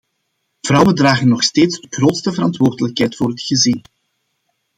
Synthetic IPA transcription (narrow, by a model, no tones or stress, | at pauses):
v̥rɑwəndraːɣənːɔxsteːtsdəɣroːtstəvəɾɑntʋoːrdələkɦɛjtfoːɾɦətxəzin